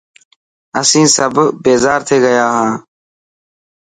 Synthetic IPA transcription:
əsĩːsəbbeːzaːɾt̪ʰeːɡəjaːɦãː

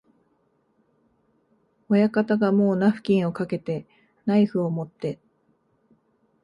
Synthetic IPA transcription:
o̞jakat̪aɡamo̞ːnaɸɯ̟̥kʲĩɰ̃o̞kake̞t̪e̞ | naiɸɯ̟o̞mo̞t̪ːe̞

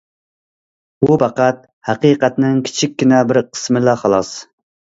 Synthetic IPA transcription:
bupɑqæt̪̚ | hæqiːqæt̪nɪŋkʲʰi̥t͡ʃʰikʲːinɛbɪɾqʰə̥smɪlɑχɑlˠɑs

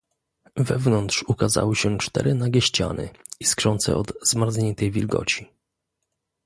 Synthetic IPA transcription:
vɛvnɔnt̪ʂukaza̰wɘɕɛt͡ʂt̪ɛ̰ɾɘnaɡʲjɛɕt͡ɕa̰nɘ̰iskʂɔnt̪sɛ̰ʔɔd̪zmaɾd̪zɲɛnt̪ɛjvʲilɡɔ̰t͡ɕi

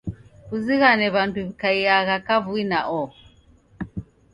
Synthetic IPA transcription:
βuziɣanɛβantuβikaiaɣakavuinaʔɔ

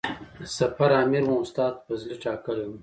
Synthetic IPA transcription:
sɐfɐɾaːmiɾwõʊst̪aːt̪̚pɐzliʈaːkəlum

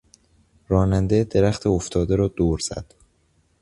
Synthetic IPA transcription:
ɾɒːnænd̪ed̪e̞ɾæxt̪ʰeoft̪ʰɒːd̪eɾɒːd̪̥oːɾz̥æ̰d̪̥

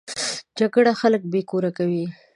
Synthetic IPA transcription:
d͡ʒaɡɽaxalək̚bekoɾakawi

